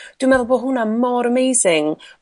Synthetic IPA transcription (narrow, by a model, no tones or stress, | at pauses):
d̥wimɛðʊlˠbɔɦʊnamɔɾəmejsɪŋ